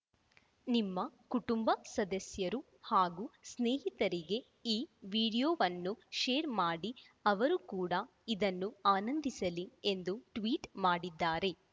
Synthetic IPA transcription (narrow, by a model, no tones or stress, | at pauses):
nimːɐkuʈumbɐsɐd̪ɐsjɐɾu | haːɡuːsneːɦit̪ɐɾiɡe̞ | iːʋiːɽijoːʋɐnːuʃeːɾmaːɽi | ɐʋɐɾukuːɽɐ | id̪ɐnːuaːnɐnd̪isɐlie̞nd̪uʈʋiːʈmaːɽid̪ːaːɾe̞